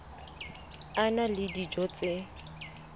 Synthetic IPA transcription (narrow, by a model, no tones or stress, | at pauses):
analɪdid͡ʒɔt͡sʼe